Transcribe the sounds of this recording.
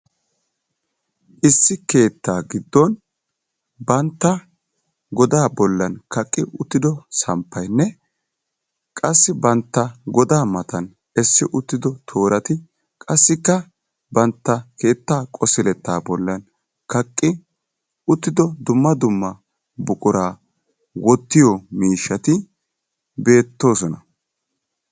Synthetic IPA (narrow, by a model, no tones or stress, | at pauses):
ʔɪsːɪke̞ːt̪ːaːɡɪd̪ːɔn | bɐnt̪ːɐ | ɡɔd̪aːbɔlːɐnkɐkʼːɪʔʊt̪ːɪd̪ɔsɐmpːɐjnːɛ | kʼɐsːɪbɐnt̪ːɐɡɔd̪aːmɐt̪ɐn | ɛsːɪʔʊt̪ːɪd̪ɔt̪ʰo̞ːɾɐt̪ɪ | kʼɐsːɪkːɐ | bɐnt̪ːɐke̞ːt̪ːaːkʼɔsɪlɛt̪ːaːbɔlːɐn | kɐkʼːɪ | ʊt̪ːɪd̪ɔd̪ʊmːɐd̪ʊmːɐ | bʊkʼʊɾaː | wɔt̪ːɪjɔmiːʃːɐt̪ɪ | be̞ːt̪ːo̞ːsɔnɐ